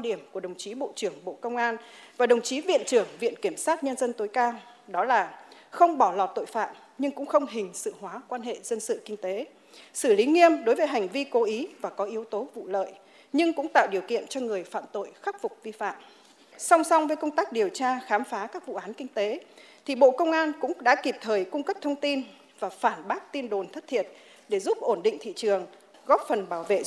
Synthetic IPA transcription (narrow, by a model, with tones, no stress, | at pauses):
a˧ɗi˧˩əmku˧˩əɗə˨˩wŋ͡mt͡ɕi˨˦ɓo̰˧˨t͡ɕɨ˧˩əŋɓo̰˧˨kə˧wŋ͡mʔaː˧nvaː˨˩ɗə˨˩wŋ͡mt͡ɕi˨˦vḭ˧˨ənt͡ɕɨ˧˩əŋvḭ˧˨ənki˧˩əmsaː˦˥t̚ɲə˧nzə˧nt̪o˨˦jkaː˧w | ɗɔ˨˦laː˨˩xə˧wŋ͡mɓɔ˧˩lɔ˨˩t̚t̪o̰˧˨jfa̰ː˧˨m | ɲɨ˧ŋkʊ̰˧˥ŋ͡mxə˧wŋ͡mɦï˨˩ŋ̟sɨ̰˧˨ɦwaː˨˦kwaː˧nɦḛ˧˨zə˧nsɨ̰˧˨kï˧ŋ̟t̪e˨˦ | sɨ˧˩li˨˦ŋi˧əmɗo˨˦jvəː˨˦jɦa˨˩ŋ̟vi˧ko˨˦ʔi˨˦vaː˨˩kɔ˨˦ʔi˨˦əwt̪o˨˦vṵ˧˨lə̰ː˧˨j | ɲɨ˧ŋkʊ̰˧˥ŋ͡mt̪a̰ː˧˨wɗi˨˩əwkḭ˧˨ənt͡ɕɔ˧ŋɨ˨˩əjfa̰ː˧˨mt̪o̰˧˨jxa˦˥k̚fʊ˨˩k͡p̚vi˧fa̰ː˧˨m | sa˧wŋ͡msa˧wŋ͡mvəː˨˦jkə˧wŋ͡mt̪aː˦˥k̚ɗi˨˩əwt͡ɕaː˧xaː˨˦mfaː˨˦kaː˦˥k̚vṵ˧˨ʔaː˨˦nkï˧ŋ̟t̪e˨˦ | t̪ʰi˨˩ɓo̰˧˨kə˧wŋ͡mʔaː˧nkʊ̰˧˥ŋ͡mɗa̰ː˧˥ki˨˩p̚t̪ʰəː˨˩jkʊ˧ŋ͡mkə˦˥p̚t̪ʰə˧wŋ͡mt̪i˧n | vaː˨˩faː˧˩nɓaː˦˥k̚t̪i˧ənɗo˨˩nt̪ʰə˦˥t̚t̪ʰḭ˧˨ən̚ | ɗe˧˩zu˦˥p̚ʔo˧˩nɗḭ̈˧˨ŋ̟t̪ʰḭ˧˨t͡ɕɨ˨˩əŋ | ɣɔ˦˥p̚fə˨˩nɓaː˧˩wvḛ˧˨